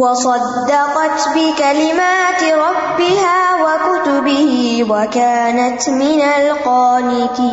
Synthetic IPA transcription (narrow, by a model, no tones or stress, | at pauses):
wɑsˤɑd̪ːɑqɑt̪bɪkalɪmaːt̪ɪɾˤɑbːɪhaːwakʊt̪ʊbɪhɪwakaːnat̪mɪnalqɑːnɪk̪iː